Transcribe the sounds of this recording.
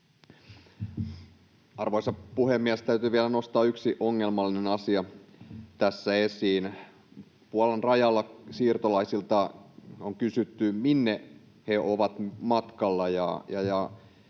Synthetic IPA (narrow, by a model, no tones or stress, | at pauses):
ɑrʋojsɑpuhemːiæst̪æyt̪yːʋiælæno̞st̪ɑːyksiʔoŋːe̞lmɑlːinenɑsiɑt̪æsːæe̞siːn | puolɑnrɑjɑlːɑsiːrt̪olɑisilt̪ɑoŋkysyt̪ːyminːe | heoʋɑt̪mɑt̪kɑlːɑjɑ̰jɑjɑ